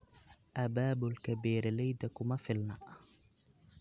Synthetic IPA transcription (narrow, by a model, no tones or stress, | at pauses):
ʔabaːbʊlkabiːɾlajd̪akʊmafɪlma̰ʔ